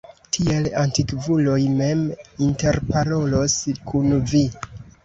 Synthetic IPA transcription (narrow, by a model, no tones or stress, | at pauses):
tʰie̞lantikvulo̞jme̞minte̞ɾpaɾo̞lo̞skʰunvi